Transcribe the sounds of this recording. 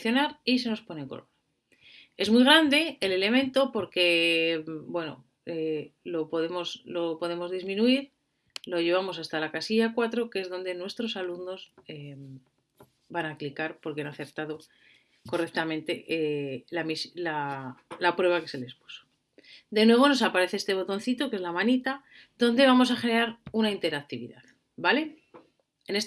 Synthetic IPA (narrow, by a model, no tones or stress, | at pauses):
θjo̞naɾis̬e̞no̞spo̞ne̞ŋkola | e̞zmujɣ̞ɾand̪e̞ele̞le̞mẽ̞nt̪o̞po̞ɾke̞ | bwe̞no̞̰ | elo̞poðemo̞slo̞po̞ðe̞mo̞zðizmĩnuiɾ | lo̞ʝe̞β̞amo̞sast̪alakasiʝakwat̪ɾo̞kee̞zðo̞nd̪e̞nwe̞st̪ɾo̞saluno̞zem | banaklikaɾpo̞ɾkeanaθe̞ɾt̪aðo̞ | ko̞re̞k̚t̪amẽ̞nt̪e̞ʔelamislalapɾwe̞βake̞se̞le̞spu̥so̥ | d̪e̞nwe̞β̞o̞no̞sapaɾe̞θeest̪e̞βo̞t̪o̞nθit̪o̞kezlamanit̪a | ðo̞nd̪e̞β̞amo̞s̬axeɾeaɾunaint̪e̞ɾak̚t̪iβḭða̰ð | bale̞ | ene̞s